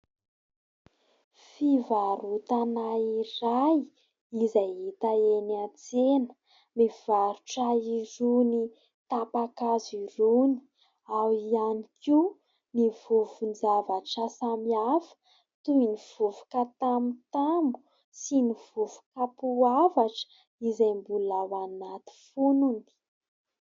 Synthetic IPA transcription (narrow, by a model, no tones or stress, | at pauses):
fivaɾut̪anaiɾaj | izajɦit̪aenat͡senə̥ | miv̥aɾuʈ͡ʂaiɾuni | t̪apakaziɾuni̥ | awianikʰi | nivuvund͡zavaʈ͡ʂasamiafə̥ | t̪uiniv̥uvu̥kat̪amit̪ambu | siniv̥uvu̥kapuavaʈ͡ʂ | izajmbulawanat̪i̥fununi̥